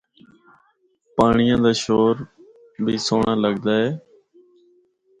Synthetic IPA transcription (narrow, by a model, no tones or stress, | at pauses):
paːɳɪjãːd̪aːʃoːɾ | bʱiːsoːɳaːləɠd̪aːɦeː